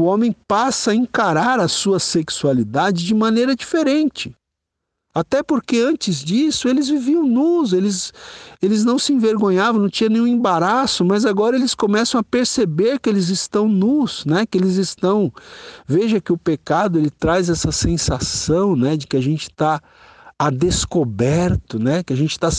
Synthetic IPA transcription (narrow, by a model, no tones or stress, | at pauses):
ʊõmẽj̃pasɐɐẽkaɾaɾɐsuɐseksualid̪ad͡ʒɪd͡ʒɪmɐ̃nejɾɐd͡ʒifeɾẽnt͡ʃɪ̥ | at̪ɛpoɾkeɐ̃nt͡ʃɪzd͡ʒisʊelɪzviviɐ̃w̃nʊzelɪzelɪznɐ̃w̃sɪẽveɾɡõɲavɐ̃w̃nɐ̃w̃t͡ʃĩɐnẽj̃ũẽbaɾasʊmɐzaɡɔɾɐelɪskomɛsɐ̃w̃apeɾsebeɾkɪelɪzɪst̪ɐ̃w̃nʊsnɛkɪelɪzɪst̪ɐ̃w̃veʒɐkɪʊpekad̪ʊelɪt̪ɾazɛsɐsẽsasɐ̃w̃nɛd͡ʒɪkɪaʒẽnt͡ʃɪ̥t̪a | ad̪eskobɛɾt̪ʊnɛkɪaʒẽnt͡ʃɪ̥t̪a